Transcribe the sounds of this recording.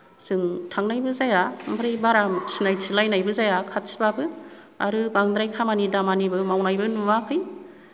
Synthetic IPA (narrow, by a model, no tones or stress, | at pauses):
sɯŋtʰaŋnajbɯzajabʰɯɾajbaɾamsinajsʰilajnajbɯzajakʰat̚si̥babɯ | aɾɯbaŋd̪ɾajkʰamanidamanibɯmawnajbɯnumakʰɯj